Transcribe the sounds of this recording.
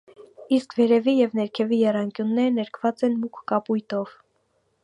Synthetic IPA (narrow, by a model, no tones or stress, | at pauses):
iskʰvɛɾɛvijɛvnɛɾkʰɛvijɛrɑŋkjunːɛɾənɛɾkʰv̥ɑt͡sɛnmukʰːɑpujt̪ɔv̥